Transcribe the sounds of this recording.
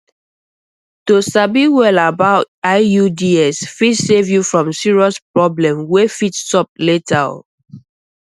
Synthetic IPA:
tosabiwɛlabaʊtaɪjudiɛsfitsevjufɹɔ̃msiɹiɔspɹɔblɛ̃mwefittɔp̚letʰa̰l

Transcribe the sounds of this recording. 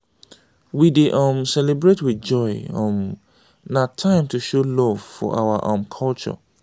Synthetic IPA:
wideʔɔ̃msɛlebɹetwid͡ʒɔɪɔ̰̃m | natʰãɪ̃mtuʃolɔv̥fɔ̰ʔa̰waʔɔ̃mkʰɔlt͡ʃɔ̰

